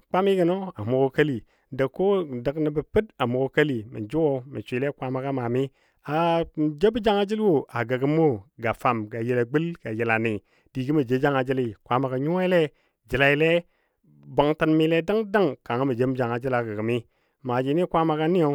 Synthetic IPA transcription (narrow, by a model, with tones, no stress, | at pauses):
k͡pa˦mi˦ɡə˨no˦a˨mu˨ɡo˦ka˦li˨ | da˨kːo˦də˨kni˨bə˨pɨ˦ta˨mu˨ɡo˨ka˦li˨mḭ˨d͡ʒu˦wo˦mḭ˨t͡ʃʷi˨le˦kʷa˦ma˨ɡa˦ma˨mi˦ | a˨d͡ʒe˦bi˦d͡ʒa˦ŋa˦d͡ʒi˦lwo˨ʔa˨ɡa˨ɡə˦mo˦ɡa˨fa˨mɡa˨ji˨la˨ɡ͡bi˦lɡ̥a˨ji˨la˨ni˨ | d̥i˨ɡi˦mi˨d͡ʒe˨˦d͡ʒa˦ŋa˨d͡ʒi˦li˨kʷa˦ma˨ɡa˨ɲu˦i˦le˦ | d͡ʒi˨la˨ji˨le˦ | bo˨ŋta˦nmi˨˦le˦da˦ŋda˦ŋka˨ŋa˦mi˨d͡ʒe˦m˦d͡ʒa˨ŋa˨d͡ʒi˦la˨ɡa˨ɡi˨mi˦ | ma˨d͡ʒi˨˦ni˦kʷa˦ma˨ɡa˦ni˦o˨˦